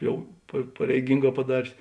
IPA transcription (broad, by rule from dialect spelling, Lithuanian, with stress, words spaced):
ˈjɛʊ pɐ pɐrʲɛɪˈɡʲiːŋˌɡɑː pɐˈdɑːrʲeːs